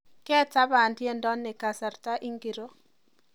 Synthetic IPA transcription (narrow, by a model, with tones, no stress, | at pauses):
kɛ˦ta˦ba˨ndje˦ndɔ˦nːɪ˨ka˨sa˨rta˦ʔi˦ŋɡi˨ɾo˦